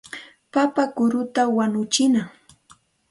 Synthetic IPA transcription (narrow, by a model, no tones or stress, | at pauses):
papakʊɾʊt̪awanʊt͡ʃɪnaŋ